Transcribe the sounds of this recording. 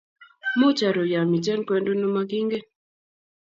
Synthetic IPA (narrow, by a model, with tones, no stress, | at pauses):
mo˦t͡ʃa˨ɾo˨ja˨mi˨t͡ʃɛ˦nkwɛ˦ndo˦no˦ma˦ɡi˦ŋɡe˦